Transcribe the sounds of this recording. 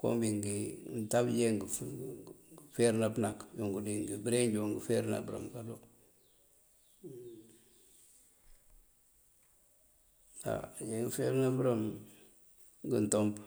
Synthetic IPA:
ko̰mbiŋɡintabjeŋɡ | feɾnabnakjoŋɡudiŋɡibiɾend͡ʒoŋɡifeɾna̰buɾa̰mkalo | da̰jeŋɡifeɾnabɾam | ɡintomb

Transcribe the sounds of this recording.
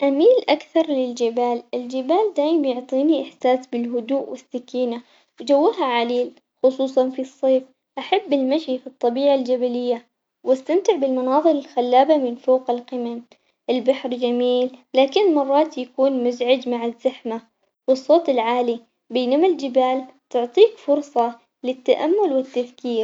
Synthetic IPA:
ʔamiːlʔakθɑɾˤlɪld͡ʒɪbaːlʔɪld͡ʒɪbaːld̪aːjɪmbjʊʕt̪ˤiːniʔɪħsaːsbɪlɦʊd̪uːʔwɪsːakiːna | wd͡ʒawːaɦaʕaliːl | xʊsˤuːsˤɑnfisˤːeːf | ʔaħabːɪlmaʃifit̪ˤːɑbiːʕald͡ʒabalɪjːa | wast̪amt̪ɪʕbɪlmʊnɑːðˤɨlɪlxalːaːbamɪnfoːqɪlqɪmam | ʔɪlbaħɾd͡ʒamiːlːaːkɪnmɑrˤːɑːt̪jakuːnmʊzʕɪd͡ʒmaʕazːaħma | wɨsˤːoːt̪ɪlʕaːli | beːnamald͡ʒɪbaːlt̪ʊʕt̪ˤiːkfʊɾsˤɑ | lɪt̪ːaʔamːʊlwɪt̪ːaðkiːɾ

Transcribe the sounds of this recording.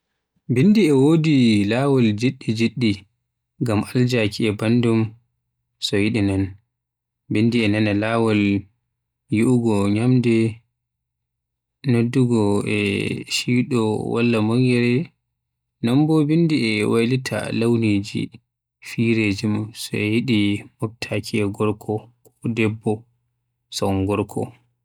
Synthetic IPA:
binːdiɛwodilawɔld͡ʒiɗːid͡ʒiɗːi | ɡamald͡ʒakiɛbandum | sɔjiɗinan | bindiɛnanalaːwɔl | juʔuɡɔɲamdɛ | nodːuɡɔɛ̰ʃiɗɔwa̰lːamɔŋɡɛɾɛ | nambɔbindiɛwajlitʰa̰lawniːd͡ʒḭ | fiɾed͡ʒimsɔ̰ɛjiɗimɔb̚tʰakʰiɛɡɔɾkʰɔkɔdɛbːɔ | sɔŋɡɔɾkʰɔ

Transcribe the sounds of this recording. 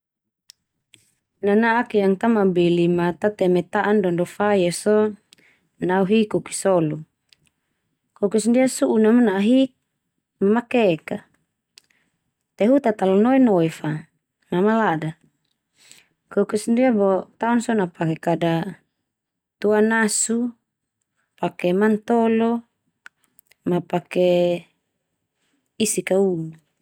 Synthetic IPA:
nanaʔakjaŋt̪amabelimat̪at̪ɛmɛt̪aʔandɔndɔfajesɔ | nauɦikuki̥sɔlu | kokusndiasuʔːnamanaaɦik̚ | mamakɛka | t̪eɦut̪at̪alɔnoɛnoifa | namalada | kokɛsndiabɔt̪aunsɔnapakekada | t̪uanasu | pakemant̪ɔlɔ | mapake | isikaunu

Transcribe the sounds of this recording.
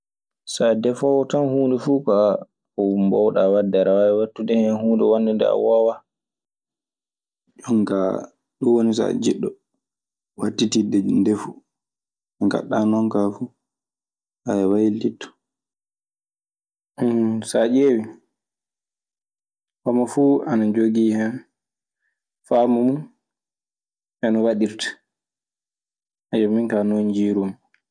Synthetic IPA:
sadɛfɔwɔtanhuːndɛfuːka | ɔmbɔwɗawadːaɾawaɛwatːudɛhɛnhuːndɛwanːɛndɛ̰a̰wawa | d͡ʒɔŋka | ɗuwonisa̰d͡ʒiɗːɔ | watːitidɛndɛfu | ɛka̰ɗːanɔŋkafu | ʔajɛwajilitːɔ̥ | sad͡ʒewi | kɔmafuanad͡ʒoɡiːhɛn | famɔmun | ɛnɔwaɗiɾtḁ | ʔad͡ʒɔminkanoɲd͡ʒiːɾum

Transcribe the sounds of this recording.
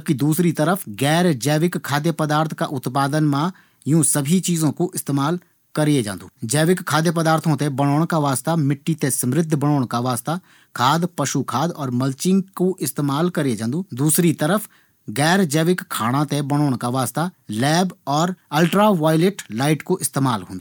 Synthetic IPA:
b̚kid̪uːsɾit̪əɾəfʰɡɛːɾd͡ʒɛːʋɪkʰːaːd̪jepəd̪aːɾt̪ʰka̰ʔʊt̪paːd̪ənmã | jũsəbʱit͡ʃiːzõkoʔɪst̪eːmaːl | kəɾied͡ʒã̰ːnd̪uːd͡ʒɛːʋɪkkʰːaːd̪jep̬əd̪aːɾt̪ʰõt̪ebəɽ̃oːɽ̃kaʋaːst̪amɪʈːit̪esəmɾɪd̪ʱːbəɽ̃oːɽ̃kaʋaːst̪a | kʰaːd̪pɐʃukʰaːd̪ɔːɾmɐlt͡ʃɪ̃ŋɡkoʔɪst̪eːmaːlkəɾed͡ʒãːnd̪uːd̪uːsɾit̪əɾəfʰ | ɡɛːɾd͡ʒɛːʋɪkkʰːaːɽ̃ãt̪ebəɽ̃oːɽ̃kaʋaːst̪alɛːbɔːɾəlʈɾaʋaːɪlɪʈlaːɪʈkoʔɪst̪eːma̰ːlɦõːnd̪u

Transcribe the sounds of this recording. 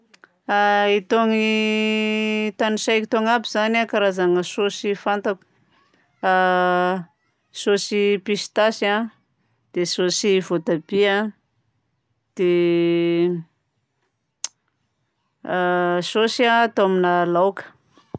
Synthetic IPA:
ait̪oŋi | t̪aniʃajki̥t̪oŋabizanakaɾazaŋəsosifant̪aku̥ | sosipisi̥t̪asa | d̪̥esosivot̪abia | d̪̥e | sosiat̪oaminalawkə̥

